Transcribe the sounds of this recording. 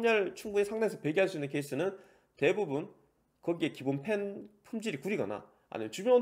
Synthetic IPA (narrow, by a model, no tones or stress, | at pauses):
ɲʌɭt͡ɕʰuŋɡuɲesʰaŋdeesʰʌpeɡiɦaɭs̬͈uinːɯnkeis͈ʰɯnɯn | te̞bubun | kʌɡie̞kibonpʰe̞npʰumd͡ʑiɾikuɾiɡʌna̰ | a̰ɲḭmjʌt͡ɕubjo